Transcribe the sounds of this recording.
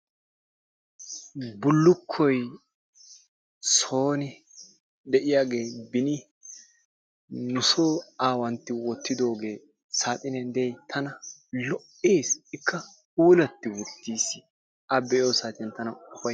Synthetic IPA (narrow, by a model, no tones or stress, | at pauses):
bʊlːʊkʰːɔj | so̞ːnɪ | ɗ̪ɛʔɪjaːɡe̞ːbɪnɪ | nʊsoːaːwɐnt̪ːɪwɔt̪ʰːɪd̪o̞ːɡe̞ː | saːt̪ʼɪnɛnd̪ɛjt̪ʰɐnɐlɔʔeːsɪkːɐ | uːlɐt̪ːɪwʊt̪ːiːsɪ | ɐbɛjo̞ːsaːt̪ɪnt̪ɐnɐʊfɐ